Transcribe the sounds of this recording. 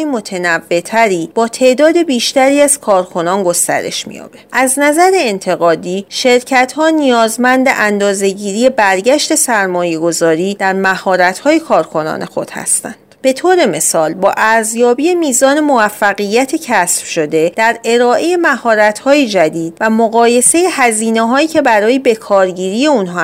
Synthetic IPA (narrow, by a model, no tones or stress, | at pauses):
imo̞t̪ʰenævːe̞t̪ʰæɾiːb̥ɒːt̪ʰe̞ʔd̪ɒːd̪e̞biːʃt̪æɾiːæz̥kʰɒːɾkʰo̞nɒːnɡo̞st̪æ̰ɾe̞̰ʃmḭjɒ̰ːb̥eʔæznæzæɾeːnt̪ʰe̞ɣɒːd̪iːʃe̞ɾcʰæt̪hɒːnijɒːzmænd̪ḛʔænd̪ɒːze̞ɟiːɾiːje̞bæɾɟæʃt̪e̞sæɾmɒːje̞ɡo̞zɒːɾiːd̪æɾmæhɒːɾæt̪hɒːje̞kʰɒːɾkʰo̞nɒ̰ːnʔe̞xo̞̰d̪̥hæ̰st̪æ̰nd̪̥b̥e̞t̪ʰoːɾe̞me̞sɒːlbɒːʔæɾzjɒːbijemiːzɒːne̞movæfːæɣijːæt̪ʰecʰæsfʃo̞d̪e̞d̪̥æɾe̞ɾɒːʔe̞jemæhɒːɾæt̪hɒːjed͡ʒæd̪iːd̪̥væmoɣɒːje̞se̞jehæziːneɦɒːiːcʰe̞bæɾɒːjebe̞kʰɒːɾɟiːɾiːje̞unɦɒ